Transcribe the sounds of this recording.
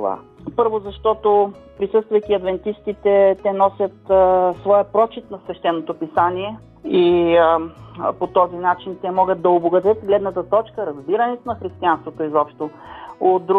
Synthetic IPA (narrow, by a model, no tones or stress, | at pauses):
va̰ | pɤɾvozɐʃt̪ɔt̪opɾisɤst̪vɐjkiɐd̪vɛnt̪ist̪it̪ɛt̪ɛnɔsʲət̪svɔjəpɾɔt͡ʃit̪nɐsvɛʃt̪ɛnːot̪opisaniɛ | i | pot̪ɔzinat͡ʃint̪ɛmɔɡət̪̚d̪ɐoboɡɐd̪ət̪ɡlɛd̪nət̪ət̪ɔt͡ʃkəɾɐzbiɾɐnɛt̪onɐxɾist̪ianst̪vot̪oizɔpʃt̪ood̪u